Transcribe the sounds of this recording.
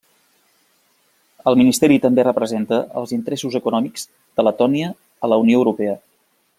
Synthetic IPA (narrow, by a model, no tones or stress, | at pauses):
əlˠminist̪ɛɾit̪əmberəpɾəzent̪əə̰lˠzint̪əɾesuzəkunɔmikz̥ | d̪̥ələt̪ɔniəː | ləunioəwɾupɛə